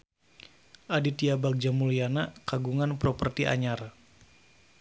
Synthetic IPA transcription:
ʔadit̪iabak̚d͡ʒamulianakaɡuŋanpɾɔpərt̪iʔa̰ɲar

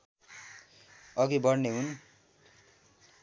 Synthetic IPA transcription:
ʌɡibʌrneɦun

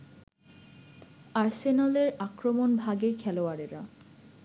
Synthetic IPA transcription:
aɾsenaleɾakɾomonbʱaɡeɾkʰɛloaɾeɾa̰

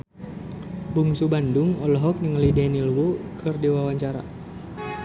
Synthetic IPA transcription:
buŋsubanduŋɔlɔɦɔk̚niŋəlidɛnilwokʰɨrdiwawaɲt͡ʃaɾa̰

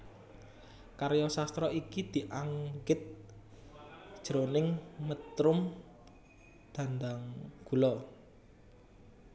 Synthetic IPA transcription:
kaɾjɔsast̪ɾɔikid̪̥i̤ʔaŋɡɪt̪̚ | d̥ʒ̥ɾonɪŋmət̪ɾʊm | d̪̥ä̤nd̪aŋɡ̥ulɔ

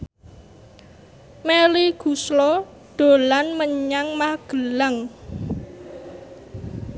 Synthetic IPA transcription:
meliɡ̥uslɔ | d̪̥o̤lanməɲaŋmahɡ̥ə̤laŋ

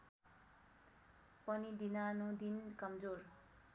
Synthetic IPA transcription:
pʌnid̪inanud̪inkʌmd͡zor

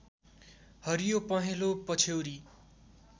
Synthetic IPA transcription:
hʌɾijopʌɦelopʌt͡sʰewɾi

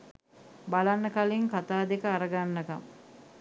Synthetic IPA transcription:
balanːəkaliŋkat̪aːd̪ekəaɾəɡanːəka̰m

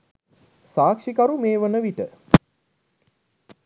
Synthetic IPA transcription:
saːkʂikaɾumeːʋənəʋiʈə

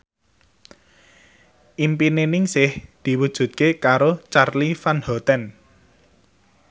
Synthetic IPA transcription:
ʔimpinenɪŋsɪhd̪̥i̤wud̥ʒ̥ṳt̪̚kekaɾot͡ʃarlifanhɔt̪ɛn

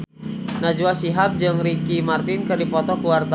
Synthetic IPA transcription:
nad͡ʒuasiɦap̚d͡ʒɨŋrikimart̪inkɨrdipɔt̪ɔkuwart̪a

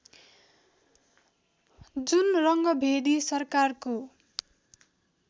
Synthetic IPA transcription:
d͡zunrʌŋɡʌbʱed̪isʌrkarko

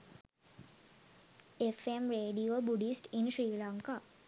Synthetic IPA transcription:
efemɾeːɖiobuɖisʈinʃɾiːlaŋka

